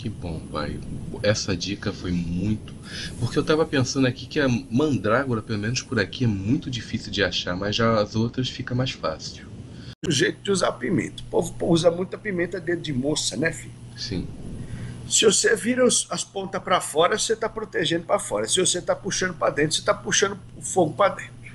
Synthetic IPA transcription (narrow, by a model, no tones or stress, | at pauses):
kɪbõpa̰jɛsɐd͡ʒikɐfojmũj̃t̪ʊ̥ | poχkeewt̪avɐpẽsɐ̃d̪ʊakikɪɐmɐ̃d̪ɾaɡuɾɐpelomẽnʊspʊɾakiɛmũj̃t̪ʊd͡ʒifisiwd͡ʒɪaʃamɐzʒaɐzowt̪ɾɐsfikɐmajʃfa̰siw | ʊʒejt̪ʊd͡ʒɪuza̰ɾʊpimḛ̃t̪ɐ̥povpuzɐmũj̃t̪ʊɐpimẽnt̪ɐd̪ẽd͡ʒɪmosɐnɛfilsḭ̃ | sɪvoseviɾɐʊsɐspõnt̪ɐpɾɐfɔɾɐoset̪apɾot̪eʒẽnd̪ʊpɾɐfɔɾɐsɪvoset̪apuʃɐ̃nd̪ʊpɾɐd̪ẽt̪ɾʊset̪apuʃɐ̃nd̪ʊ | ʊfoɡʊpɾɐd̪ẽnt̪ɾʊ